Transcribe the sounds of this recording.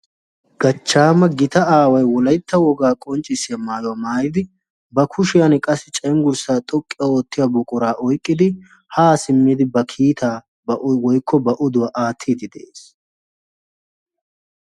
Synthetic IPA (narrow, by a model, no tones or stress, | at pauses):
ɡ̥ɐt͡ʃːaːmɐɡɪt̪ɐaːwɐjwɔlɐjt̪ʰːɐwɔɡaːkʼɔnt͡ʃʼːɪsːɪjɐmaːjɔwɐmaːjɪd̪ɪ | bɐkʰʊʃɪjɐnkʼɐsːɪt͡ʃʼɐjŋɡʊɾsaːt̪ʼɔkʼːɪjɐoːt̪ːɪjabɔkʼʊɾaːʔɔjkʼːɪd̪ɪ | haːsɪmːiːd̪ɪbɐkʰiːt̪ʰaː | bɐwɔjkːɔbɐʔɔd̪ʊwɐʔaːt̪ʰːiːd̪ɪd̪ɛʔeːs